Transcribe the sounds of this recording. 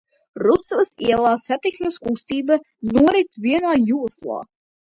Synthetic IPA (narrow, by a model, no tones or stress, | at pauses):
ɾut̪svɨsiɛlˠaːsat̪ik̪nɐskust̪iːba | nuɔɾit̪vʲiɛnaːjuɔslˠa̰ː